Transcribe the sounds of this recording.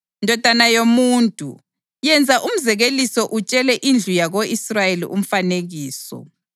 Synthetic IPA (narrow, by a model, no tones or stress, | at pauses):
ndʱɔd̥ʱanajomuːntʼṵ | jɛnd͡zʱaʔum̩zɛɣelisɔʔut͡ʃʼɛlɛʔind͡ɮʱujaɣoisrajelḭʔṵm̩faneɣiːsɔ̰